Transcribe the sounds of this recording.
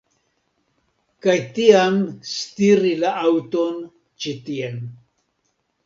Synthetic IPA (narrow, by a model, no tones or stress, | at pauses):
kajtiamstiɾilaʔawton | t͡ʃitien